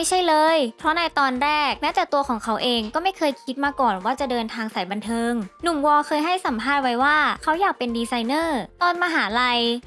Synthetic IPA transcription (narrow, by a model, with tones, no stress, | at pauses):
ma˥˩jt͡ɕʰa˥˩jlɤː˧jpʰɾɔ˦˥na˧jt̪ɔː˧nɾɛː˥˩k̚naː˥˩t̪ɛː˨˩t̪u˧ɐkʰɔː˩˦ŋkʰa˦˥wʔeː˧ŋkɔː˥˩ma˥˩jkʰɤː˧jkʰi˦˥t̪̚maː˧kɔː˨˩nwaː˥˩t͡ɕa˨˩dɤː˧nt̪ʰaː˧ŋsa˨˩˦jba˧nt̪ʰɤː˧ŋnu˨˩˦mwɔː˧kʰɤː˧jɦa˥˩jsa˩˦mpʰaː˥˩t̪̚wa˦˥jwaː˥˩kʰa˦˥wjaː˨˩k̚pe˧ndiː˧sa˧jnɤː˥˩t̪ɔː˧nmaː˧ɦaː˩˦la˧j